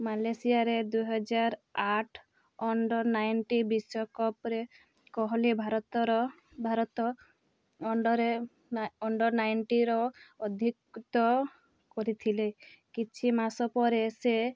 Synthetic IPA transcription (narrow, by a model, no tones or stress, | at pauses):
malesiaɾed̪uɦɔd͡ʒaɾaʈʰ | ɔɳɖɔɾnajnʈibisɔkɔpɾe | kɔɦɔlebʱaɾɔt̪ɔɾɔ | bʱaɾɔt̪ɔ | ɖɔɾe | ɔɳɖɔɾnajnʈiɾɔɔd̪ʱikt̪ɔ | kɔɾit̪ʰilekit͡ʃʰimasɔpɔɾese